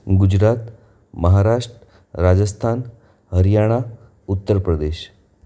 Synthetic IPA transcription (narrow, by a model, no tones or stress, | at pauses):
ɡud͡ʑɾat̪ | məɦaɾaʂʈɾə | ɾad͡ʑəst̪ʰan | ɦəɾjaɽ̃a | ut̪ːəɾpɾəd̪eɕ